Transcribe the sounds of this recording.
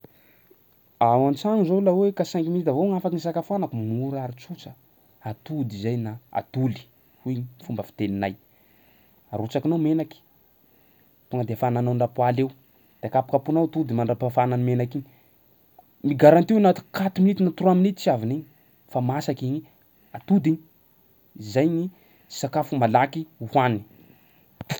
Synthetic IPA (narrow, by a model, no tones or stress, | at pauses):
awant͡saŋizolawekasaŋkimid̪avoŋafakinisakafanakumuɾaɾit͡sut͡sə̥ | at̪ud̪izajnaa̰t̪uli̥ | ufumbəfi̥t̪eninaj | aɾut͡sakinamenaki̥ | puŋəd̪eafananawɳɖ͡ʐapwalew | d̪̥eakapḁkapunawt̪ud̪imaɳɖ͡ʐapafananimenakiɲ | miɡaɾant̪iwanat̪ikat̪uminit̪inat̪uruaminit͡siaviniɲi | famasakiɲi | at̪ud̪iɲi̥ | izajɲi̥ | sakafumalakiuhwani